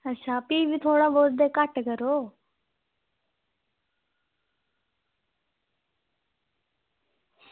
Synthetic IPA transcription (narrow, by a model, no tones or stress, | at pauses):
əʃʰaːpiːbit̪ʰoːɽaːboːɾd̪eːkəʈkəɾoː